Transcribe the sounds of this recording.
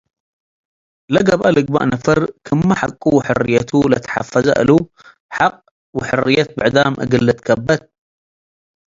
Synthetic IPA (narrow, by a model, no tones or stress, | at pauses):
laɡabʔalɪɡ̚ba̰ʔnafərˤkʰəmːaħakʼːuħʊrːɪjːat̪ulat̪ħa̰fːaza̰ʔlu | ħaqː | wħʊrːɪjːat̪̚baʕd̪aːmʔa̰ɡəlːat̪kabːat̪̚